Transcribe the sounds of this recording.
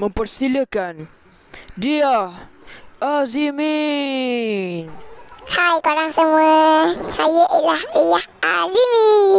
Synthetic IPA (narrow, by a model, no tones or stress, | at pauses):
məmpərsiləkan | dia | ɔzimi | nhajkoɾaŋsəmuasajaʔilahjahalini